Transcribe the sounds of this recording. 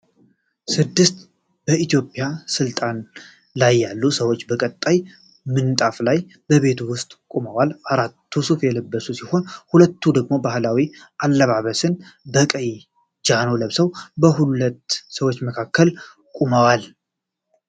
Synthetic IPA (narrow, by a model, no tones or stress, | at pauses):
sɨd̪ːɨst̪ | b̥əit̪jo̞pʼjasɨlt̪ʼan | lajːalːusəwo̞t͡ʃːbəkʼət̪ʼːaj | mɨnt̪ʼaflaj | bəβe̞t̪ʰwʊst̪ʼkʼuməwalaɾat̪ʰːusufjɛləbːəsusiho̞nhulət̪ːud̪əɡmo̞bahlawiʔalːəβaβəsɨnbəkʼəj | d͡ʒano̞ləβsəwbəɦulət̪ːsəwot͡ʃːməkʰakːəl | kʼuməwal